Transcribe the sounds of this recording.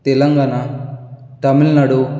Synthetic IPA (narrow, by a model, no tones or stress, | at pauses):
t̪ɛlɐŋɡaːna | t̪ɐmilnɐɽu